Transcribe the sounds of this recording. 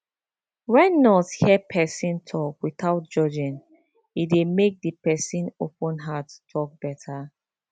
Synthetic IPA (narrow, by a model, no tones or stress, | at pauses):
wɛ̃nːɔthɛpʰɛsĩntʰɔkwitaʊt̚d͡ʒɔd͡ʒĩn | idemek̚dipɛsĩnopɔ̃nɦatːʰɔk̚b̥ɛtʰa